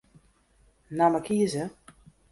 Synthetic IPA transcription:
namakʰiəzə

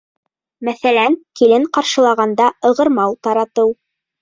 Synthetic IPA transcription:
mæθælænkilɘŋqɑɾʃɤ̆lˠɑʁɑnd̪ɑɤ̆ʁɤ̆ɾmɑwt̪ɑɾɑt̪ɤw

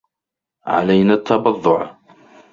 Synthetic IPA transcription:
ʕa̰lajnat̪ʰːɑbɑðˤːʊʕ

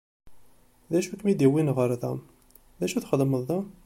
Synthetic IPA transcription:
ðæʃukmid̪iwinʁəɾðæ̰m | ðæʃuθχəd̪məðˤðæm

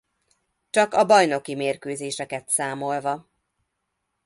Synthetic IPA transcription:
t͡ʃɒkɒbɒjno̞kimeːrkøːzeːʃɛkɛt̪saːmo̞lvɒ

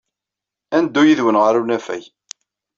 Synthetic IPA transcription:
ænd̪ːujiðwənʁəɾunæfæ̰j

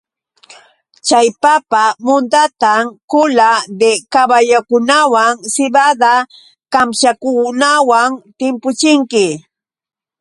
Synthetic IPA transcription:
t͡ʃajpapamʊnt̪at̪amkʊlad̪ekabajakʊnawaŋsɪbad̪a | kamʃakʊnawaŋt̪ɪmpʊt͡ʃɪŋkɪ

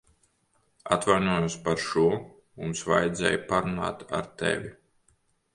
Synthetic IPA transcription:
at̪vajnuɔjuspaɾʃuɔ | mumsva̰jɛd̪zʲɛ̰ːjpaɾuna̰ːt̪a̰ɾt̪ɛ̰vʲi

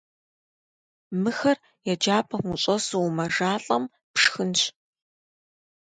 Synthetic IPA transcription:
mɨxɐr | jɛd͡ʒaːpʼɐmʷuɕʼɐsumɐʐaːɬʼɐm | pʂxɨnɕ

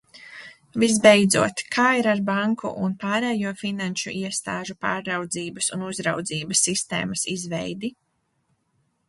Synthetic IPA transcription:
vis̬bɛjd̪zṵɔt̪kʰaːiɾaɾbaŋkʰṵʔunpaːɾɛːjuɔfinanʃṵʔiɛst̪a̰ːʒupa̰ːɾːawd̪ziːbɐsunuzɾawd̪ziːbɐsːist̪ḛːmɐsizvɛjd̪i

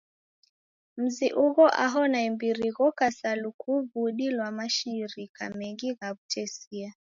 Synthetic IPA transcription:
m̩ziʔuɣɔʔaɦɔnaimbiɾiɣɔkasalukʰuβuɗilwamaʃiɾika̰mɛŋɡiɣaβutʰɛsia

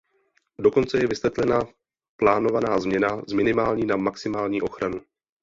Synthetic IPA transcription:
do̞ko̞nt͡sɛjɛvɪsvɛt̪lɛna | plaːno̞vanaːzmɲɛnazmɪnɪmaːlɲiːnamaksɪmaːlɲiːʔo̞xɾanu

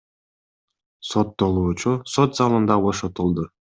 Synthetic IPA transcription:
sot̪ːo̞lˠuːt͡ʃusot̪zɑlˠɯnd̪ɑβo̞ʃot̪ulˠd̪u

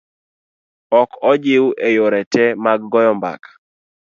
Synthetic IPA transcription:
ɔkɔd͡ʒɪwʔejoɾɛtɛmaɡːɔjɔmba̰kḁ

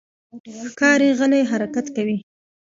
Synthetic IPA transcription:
xkɑɾeɣəlajɦaɾakat̪kawi

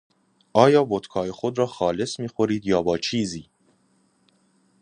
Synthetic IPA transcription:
ʔɒːjɒːbot̪kʰɒːjexod̪ɾɒːxɒːle̞smiːxoɾiːd̪jɒːbɒːt͡ʃʰiːziː

